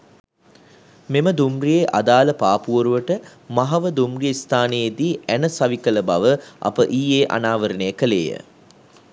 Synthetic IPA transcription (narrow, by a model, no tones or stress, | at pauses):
meməd̪umrijeʔad̪aːləpaːpuʋoɾuʋəʈəmaɦɐʋəd̪umrijeist̪ʰaːnejed̪iːænəsaʋikələbaʋəʔɐ̰pəʔiːeːʔa̰naːʋəɾənejəkəlḛːjə̰